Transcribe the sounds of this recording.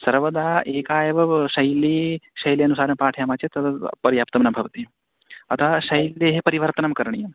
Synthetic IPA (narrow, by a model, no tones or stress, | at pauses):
sɐɾʋɐd̪aːʔeːkaːjɐʋɐʃɐjliʃɐjliɐnusaːɾɐmpaːʈʰjaːmaːt͡ʃet̪ɐt̪ɐpɐɾjaːpt̪ɐmnɐmbʱɐʋɐt̪i | ɐ̰t̪ʰaʃɐjlːeɦepɐɾiʋɐɾt̪ɐnɐmkɐɾɳijɐm